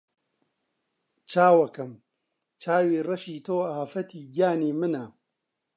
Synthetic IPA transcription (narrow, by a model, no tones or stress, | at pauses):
t͡ʃʰaːwɐkɐm | t͡ʃaːwiːrɐʃiːt̪ʰoːaːfɐt̪ʰiːɡjaːniːmɨnɐ